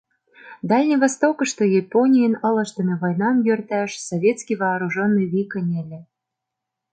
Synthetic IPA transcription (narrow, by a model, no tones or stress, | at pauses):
d̪ɑlʲnʲiβɑst̪okə̆ʃt̪ojeponʲijənɤ̆lɤ̆ʃt̪ə̆mʲĕβojnɑmjørt̪æʃsovʲet̪skʲijβɑːɾuʒonːɨjβʲikənʲelʲĕ